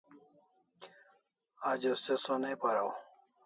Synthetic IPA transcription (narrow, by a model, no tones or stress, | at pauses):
ad͡ʑosesonepaɾaw